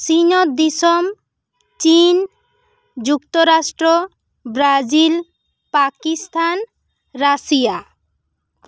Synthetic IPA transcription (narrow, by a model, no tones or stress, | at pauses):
sinotd̪isom | t͡ɕin | d͡ʑukt̪oɾasʈɾo | bɾad͡ʑil | pakist̪ʰan | ɾasija